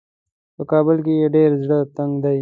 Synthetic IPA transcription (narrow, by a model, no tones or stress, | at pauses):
pəkɑːbɪlk̬ejeɖeɾzɽət̪aŋɡd̪aj